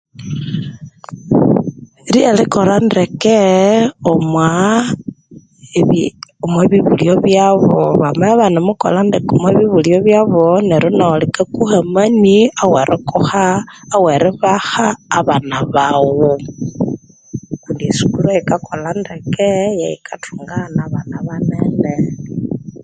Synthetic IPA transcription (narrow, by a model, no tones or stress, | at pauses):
ɾielikolandekeomwa | omweβiβulioβjaβoβameaβanimuko̰landekomweβiβulioβjaβoneɾunolikekuhamaniaweɾʔekohaːweɾiβahaːβanaβawo | kundisu̥kuɾeikakʰolandekejaikʰatʰuŋɡanaβanaβaneːnde